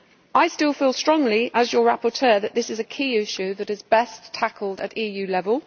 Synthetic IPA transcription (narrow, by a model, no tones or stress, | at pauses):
ʔaɪstɪlˠfiːlˠstɹ̥ɒ̃ŋliʔəzjəɹapətʰɜːðəʔðɪsɪzəkʰiːɪʃʉðətɪzbɛstʰakʰəlˠdə̰tiːjʉːlɛvəlˠ